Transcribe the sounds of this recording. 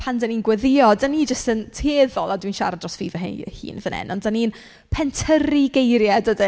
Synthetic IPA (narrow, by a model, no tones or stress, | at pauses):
pʰandaniːnɡwɛðɪɔdanid͡ʒəstəntʰeːðɔlˠadwinʃa̰ɾadrɔsfiːvəɦḛhḭːnvənʔɛ̰nɔndanin | pʰɛntʰəɾiɡejɾjadədi